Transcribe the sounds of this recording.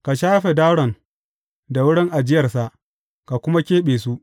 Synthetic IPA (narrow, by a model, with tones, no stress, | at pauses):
ka˨ʃaː˦ɸe˨da˦wɽɔ˨n | da˨wʊ˦ɽɪ˦ŋʔa˨d͡ʒɪ˦jɐ˨rsa˨ʔ | ka˨kʷʊ˦ma˦kʲeː˦ɓeː˨su˦ʔ